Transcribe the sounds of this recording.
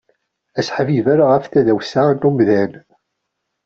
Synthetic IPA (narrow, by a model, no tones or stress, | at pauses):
æsħvivæɾaʁəfθæðæwsanːumðæn